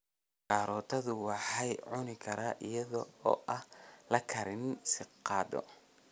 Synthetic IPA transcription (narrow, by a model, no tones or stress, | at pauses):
kɑːɾɔːt̪ʰɐðʊwɑħɑjʕʊnɪkʰɐɾaːʔɪjɐðɔɔ̰ːʔɐhlɐkʰɐɾɪnsɪqːɑːd̪ɔ̰